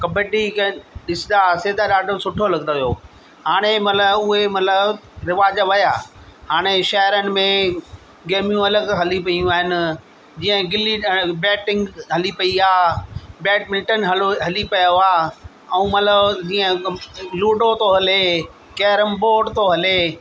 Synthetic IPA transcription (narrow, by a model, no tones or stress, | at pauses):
kɐbeʈikɗɪsɪd̪aseːd̪aɗaːɖosʊʈʰoɐlɐɡnoʋijoː | haːɽ̃emɐt̪ləbʊɦemɐt̪ləbɾɪʋaːd͡ʑʋɐjaː | haːɽ̃eʃɐɦɪɾənɪ̆mẽ | ɡeːmijũɐləɡɦɐlipɐijũaːɦɪnɪ̆ | d͡ʑiːə̃ɡɪlibɛːʈɪ̃ŋɡɦɐlipɐiaːbɛːʈmɪ̃lʈənɦɐɦɐlipɐjoaː | ɛ̃ũːmɐt̪ləbd͡ʑiːə̃luːɖot̪oɦɐle | kɛːɾəmboːɖt̪oɦɐleː